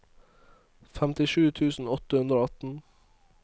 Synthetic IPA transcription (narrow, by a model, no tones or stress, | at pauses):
fæmt̪ɪʂʉːt̪ʰʉːsn̩ɔt̪əhʉnd̪ɾoːɑt̪n̩